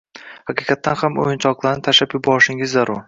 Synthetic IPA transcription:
haqɨqʰɑt̪ːanhamo̰jɪnt͡ʃʰɒqlˠaɾnɪt̪ʰaʃapjʊbɒɾɪʃɪŋɪzːaɾʊɾ

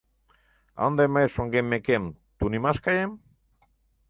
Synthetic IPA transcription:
a̰wnd̪emaesoŋɡemːekemt̪unimaskajem

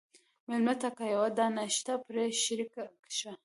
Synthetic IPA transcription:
mɪlmat̪akajawad̪ɑnaʃt̪apɾeʃɾikakʃa

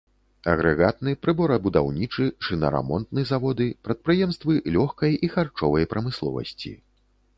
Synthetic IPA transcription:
ɐ̰ɣɾɛɣat̪̚nɨpɾɨbɔɾɐbud̪awnʲit͡ʂɨt͡ʂɨnɐ̰ɾa̰mɔnt̪nɨzavɔd̪ɨpɾɐt̪̚pɾɨjɛmst̪vɨlʲɔxkɐjʔixart͡ʂɔvɐjpɾɐmɨslˠɔ̰vɐ̰sʲt͡sʲḭ

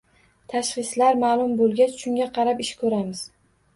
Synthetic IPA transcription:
t̪ʰaʃχɨslaɾmaːlˠʊmbolˠɡʲat͡ʃʃʊŋɡʲaqʰɑɾapɪʃkʰɵɾamɪz̥

